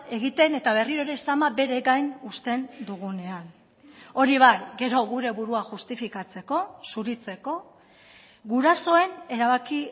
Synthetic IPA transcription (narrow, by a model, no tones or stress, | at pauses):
e̞ɣit̪e̞ne̞t̪aβe̞riɾoɾe̞samabe̞ɾe̞ɣajnust̪e̞nd̪uɣ̞une̞an | o̞ɾiβajɡe̞ɾo̞ɣuɾe̞βuɾuaʝust̪ifikat͡se̞ko̞suɾit͡se̞ko̞ | ɡuɾaso̞e̞ne̞ɾaβ̞aki